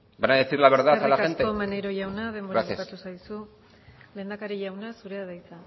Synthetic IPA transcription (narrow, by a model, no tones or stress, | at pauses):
banaðesiɾlaβeɾðaalaesnt̪eomaneɾo̞ʝawnaðe̞mboɾasesat̪usajsu | le̞ːnd̪akaɾiʝawnasuɾe̞aðajt͡sa